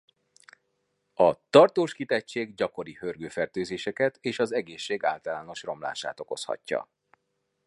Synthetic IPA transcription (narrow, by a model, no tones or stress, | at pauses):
ɒt̪ɒrt̪oːʃkit̪ɛcʃeːɡɟɒko̞ɾihørɡøːfɛrt̪øːzeːʃɛkɛt̪eːʃɒzɛɡeːʃːeːɡa̰ːlt̪ɒlaːno̞ʃro̞mla̰ːʃa̰ːt̪o̞ko̞̰shɒ̰cːɒ̰